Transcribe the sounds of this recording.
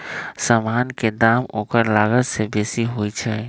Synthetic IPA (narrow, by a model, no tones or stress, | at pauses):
samaːnked̪aːmoːkəɾlaːɡət̪sebeːsiɦoːit͡ʃʰɛ